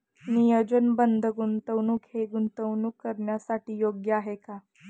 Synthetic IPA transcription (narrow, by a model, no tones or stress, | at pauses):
nijəd͡ʑənbənd̪ʱəɡunt̪əwnuːkheɡunt̪əwnukːəɾɳjasaʈiːjoɡjəaɦeka